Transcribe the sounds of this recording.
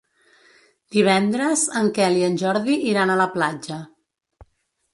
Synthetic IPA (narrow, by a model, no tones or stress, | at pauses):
d̪̥iβ̞ɛnd̪ɾəzəŋkɛliənʲʒɔɾðiʔiɾanələplad͡ʒə